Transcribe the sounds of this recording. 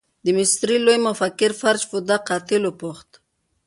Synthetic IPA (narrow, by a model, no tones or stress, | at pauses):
d̪əmɪst̪ɾilojmʊfakːɪɾfaɾd͡ʒfʊd̪aqɑt̪ɪlopʊxt̪